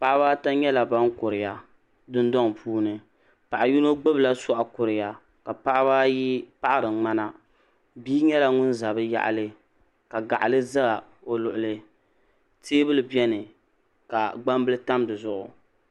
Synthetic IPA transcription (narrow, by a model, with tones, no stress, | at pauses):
pa˦ʔa˦baː˦ta˦ɲɛ˦la˨ba˦ŋkʊ˨ɾɪ˨ja˨ | dɨ˦ndɔ˦ŋ˨pʰuː˦nɨ˨ | pa˨ʔa˨ju˦no˦ɡ͡bɨ˦bla˦sɔ˦ʔa˨kʊ˨ɾɪ˨ja˨ | ka˨pa˦ʔa˦baː˦ji˦pa˦ʔa˦ɾɨ˨˦ŋ͡ma˦na˦ | biː˦ɲɛ˦la˨ŋʊ˦n˦za˨bɨ˦ja̰˦˨ʔa̰˨lɨ˦ | ka˨ɡa˨ʔa˨lɨ˦za˦ɡa˨ | o˨lʊ˨ʔʊ˨lɨ˦ | teː˦bɨ˦lɨ˨bɛ˦nɨ˨ | ka˨ɡ͡ba˦m˦bɨ˦lɨ˦ta˦mdɨ˨zʊ˦ʔʊ̰˨